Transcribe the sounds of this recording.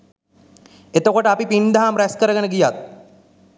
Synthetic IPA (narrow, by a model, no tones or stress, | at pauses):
et̪okoʈəɐpipind̪aɦamɾæskəɾəɡənəɡijat̪̚